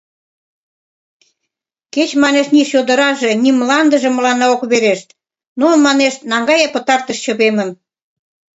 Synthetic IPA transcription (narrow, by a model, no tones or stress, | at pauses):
ket͡ɕmɑneʃniʃjod̪əɾɑʒeniməlɑnd̪ə̆ʒĕməlɑnɑokβeɾeʃt̪ | nonmɑneʃt̪nɑŋɡɑjɑpə̆t̪ɑrt̪əʃt͡ɕə̆βemən